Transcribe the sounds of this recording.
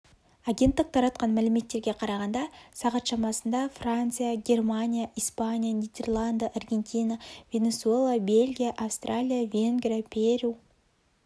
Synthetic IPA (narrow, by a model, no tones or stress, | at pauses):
aɡʲe̞nt̪ːəq̚t̪ʰɑɾɑt̪̚qɑnmælme̞t̪ːe̞ɾɡʲe̞qʰɑɾɑʁɑnd̪ɑsɑʁɑt̪ʃɑmɑsənd̪ɑfrant̪sɨjaɡʲe̞rmanʲijaʔijspanʲijanijd̪ʲe̞rlˠand̪əʔarɡʲe̞nt̪ʲijnavʲe̞nʲe̞sue̞lˠabe̞lʲɡʲijaʔafst̪rʔalʲijavʲe̞ŋɡrʲijapʲʰeɾʲu